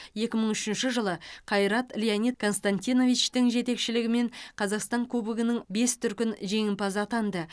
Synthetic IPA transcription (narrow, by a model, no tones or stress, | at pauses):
je̞kʲɪməɴʏʃɪnʃɪʒəlˠəqʰɑjɾɑt̪lʲijanit̪̚kʰo̞nst̪anʲt̪ijno̞vit͡ʃt̪ɪŋʒe̞t̪e̞kʃɪlɪɡʲɪme̞ɴqʰɑzɑqst̪ɑŋkʲʰɵbɪɡʲɪnɪŋbe̞st̪ʰʏɾkʲɪnʒe̞ŋɪmpɑzəɑt̪ɑnd̪ə